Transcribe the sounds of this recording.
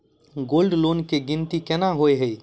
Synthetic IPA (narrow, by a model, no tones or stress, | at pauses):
ɡolɖlonkeɡint̪ikenaɦojɦəj